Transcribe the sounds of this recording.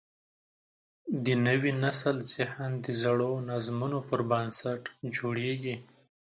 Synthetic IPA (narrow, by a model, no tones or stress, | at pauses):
d̪ənəwinasəlsɪhand̪əzaɽonazmunopəɾbansaʈd͡ʒoɽeɡi